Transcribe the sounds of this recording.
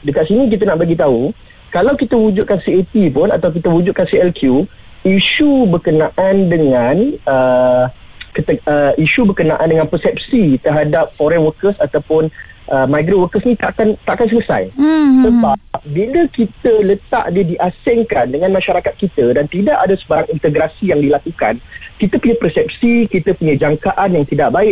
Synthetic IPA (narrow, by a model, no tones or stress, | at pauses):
dəkat̪sinĩk̬it̪ənaʔbaɡit̪au | kalawkit̪əwud͡ʒʊt̪̚kansiet̪ipʊna̰t̪awkit̪əwud͡ʒut̪ʔ̪̚kansiɛlkʰju | iʃubərkənãʔandəŋãnə | kət̪əəiʃubərkənaʔandəŋãnpəsɛp̚sit̪ərɦadap̚foɾɛnwəkəsat̪awpʊnʔəmajɡɾowəkəsnĩt̪aʔkant̪aʔakansələsa̰jsəbap̚biləkit̪ələt̪a̰ʔdiədiʔasɪŋkandəŋanmãʃaɾakat̪̚kit̪ədant̪idaʔadasəbaɾaŋint̪əɡɾasijaŋdilakuka̰nkit̪əpuɲapərsɛp̚sikit̪əpuɲãd͡ʒaŋkaʔanjaŋt̪idaʔ̚baɪʔ̚